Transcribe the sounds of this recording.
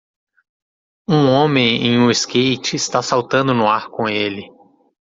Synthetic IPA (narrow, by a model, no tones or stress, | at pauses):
ũõmẽj̃ḛ̃j̃ũɪskejt͡ʃɪːst̪asawt̪ɐ̃d̪ʊnʊaɾkõelɪ